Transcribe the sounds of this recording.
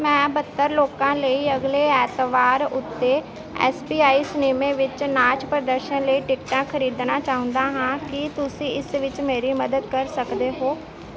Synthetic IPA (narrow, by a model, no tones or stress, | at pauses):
mɛ̃ːbət̪ːəɾloːkãːləiːəɡleːɛːt̪ʋaːɾʊ̰t̪ːeː | ɛ̰ːsbiːaːiːsneːmẽːʋɪt͡ʃnaːt͡ʃpɾəd̪əɾʃənləiːʈɪkʈãːkʰəɾiːd̪naːt͡ʃaːɦʊ̃nd̪aːɦãːkɪt̪ʊsĩːɪsʋɪt͡ʃmeːɾiːməd̪əd̪kəɾsəkd̪eːɦoː